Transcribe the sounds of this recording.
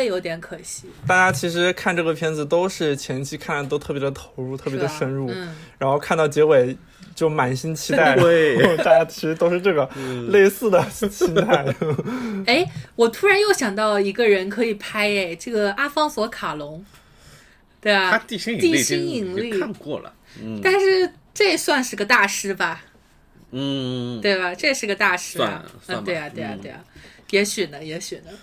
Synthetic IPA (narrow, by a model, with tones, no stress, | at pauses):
e˥˩ɪjo˧˥ʊt̪jɛ˧˥nkʰɤ˨˩ɕi˧˥t̪a˥˩t͡ɕja˥t͡ɕʰi˧˥ʂ̬ɻ̩˧˥kʰa˥˧nʈ͡ʂɤ˥˩ə˩pʰjɛ˥nd͡zɹ̩˨t̪o˥ʊʂɻ̩˥˩t͡ɕʰjɛ˧˥n˥t͡ɕʰi˥kʰa˥˩na˥˩t̪o˥ʊt̪ʰɤ˥˩pjɛ˧˥d̪ə˧t̪ʰo˧˥ʊɻu˥˧t̪ʰɤ˥˩pjɛ˧˥d̪ə˧ʂə˥nɻu˥˩n˩ɻa˧˥nxo˥˧ʊkʰa˥˧nt̪ɑ˥˩ʊt͡ɕjɛ˧˥we˨˩ɪ | t͡ɕjo˥˩ʊma˨˩nɕi˥nt͡ɕʰi˧˥t̪a˥˩ɪ˥˧˥a˥˧˩t͡ɕja˥t͡ɕʰi˧˥ʂɻ̩˧˥t̪o˥ʊʂɻ̩˧ʈ͡ʂɤ˥˩ɡə˩le˥˧ɪsɹ̩˥˩d̪ə˩ɕi˥nt̪ʰa˥˩ɪ | e˥ɪwɔ˨˩t̪ʰu˥ɻa˧˥njo˥˩ʊɕjɑ˨˩ŋt̪ɑ˥˩ʊi˧˥ɡə˧ɻə˧˥nkʰɤ˧˥i˨˩pʰa˥ɪe˧˩ɪʈ͡ʂɤ˥˩ɡə˩a˥fɑ˥ŋswɔ˧˥kʰa˨˩lʊ˧˥ŋ | t̪we˥˩ɐ˩t̪i˥˧˩ɕi˥˩t̪i˥ɕi˥ŋi˨˩ŋli˥˩˥kwɔ̰˥˩lə̰˩ | t̪a˥˧nʂɻ̩˥˧ | ʈ͡ʂe˥˧swa˥˧nʂɻ̩˥˩ɡə˧t̪a˥˩ʂɻ̩˥bɐ˨˥˩ | t̪we˥˩ɪbɐ˩ʈ͡ʂɤ˥˧ʂɻ̩˥˧ɡə˧t̪a˥˧ʂɻ̩˥ɐ˧˩˧t̪we˥˧ɪɐ˨˩t̪we˥˧ɪɐ̰˩t̪we˥˩ɐ̰˨˩jɛ˧˥ɕy˨˩nə˦jɛ˧˥ɕy˨˩nə˦